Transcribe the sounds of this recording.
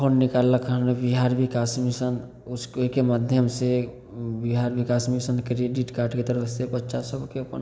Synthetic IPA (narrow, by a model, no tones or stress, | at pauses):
onːɪkalːəkɦəmebiɦaɾbʱikasmisən | ʊskkemad̪ʱjəmse | biɦaɾbikasmisənkɾeɖiʈkaːɾʈket̪əɾəsepət͡ʃasəbʱkeəpə̰n